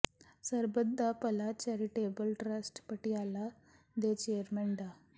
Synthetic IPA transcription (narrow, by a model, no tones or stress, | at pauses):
səɾbəd̪ʱːapəlat͡ɕaɾiʈebəlʈɾasʈpəʈiala | d̪et͡ɕeəɾmɛɳd̪a